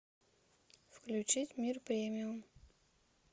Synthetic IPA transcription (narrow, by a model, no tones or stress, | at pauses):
fklʲʉt͡ɕitʲmʲirpɾʲemʲɪjʊm